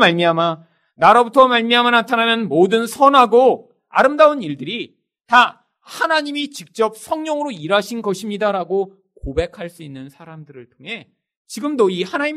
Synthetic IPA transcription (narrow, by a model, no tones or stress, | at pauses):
maɭmiɦama | naɾʌbutʰʌmaɭmiɦamanatʰananɯnmodɯnsʰʌnɦaɡo | a̰ɾɯmdaɯniɭdɯɾi | ta | hanaɲimit͡ɕik̚t͡ɕ͈ʌp̚sʰʌŋɲʌŋɯɾoiɾaɕʰinɡʌɕʰimɲidaɾaɡo | kobe̞kʰaɭs͈uinːɯnsʰaɾamdɯɾɯɭtʰoŋɦe̞ | t͡ɕiɡɯmdoihanaɲi